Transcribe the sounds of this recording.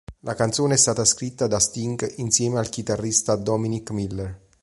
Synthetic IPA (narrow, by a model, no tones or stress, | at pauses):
lʔakant̪soːneɛst̪aːt̪askɾit̪ːad̪ast̪iŋɡint̪sjɛːmealkit̪arːist̪ad̪ɔminikmilːer